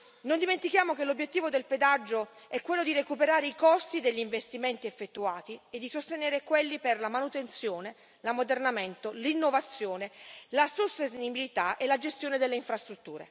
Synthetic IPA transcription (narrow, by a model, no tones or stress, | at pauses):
nond̪iment̪ikjaːmokelobːjet̪ːiːvod̪elped̪ad͡ʒːo | ɛkːwelːod̪irekupeɾaːɾeikɔst̪id̪eʎːiɱvest̪iment̪iefːet̪ːuaːt̪ied̪ːisost̪eneːɾekwelːiperlamanut̪ent̪sjoːne | lamod̪ernament̪olinːovat̪sːjoːnelasost̪eenibilit̪aʔelːad͡ʒest̪joːned̪elːeiɱfɾast̪ɾut̪ːuːɾḛ